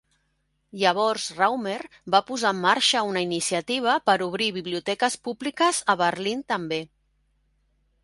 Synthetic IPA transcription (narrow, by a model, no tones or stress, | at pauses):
ʎəβ̞ɔɾzrawmeɾ | bapuzaːmːaɾʃəunəinisiət̪iβ̞əpəɾuβ̞ɾiβiβliut̪ɛkəspublikəzəβəɾlint̪əmbe